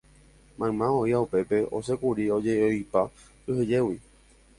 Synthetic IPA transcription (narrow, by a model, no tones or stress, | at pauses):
mãmãoiaupe̞pe̞o̞̰sekuɾio̞d͡ʒeojpa | ɨɦɨd͡ʒe̞wi